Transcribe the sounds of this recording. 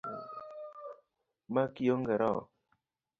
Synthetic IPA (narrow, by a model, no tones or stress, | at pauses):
makioŋɡɛɾɔ̰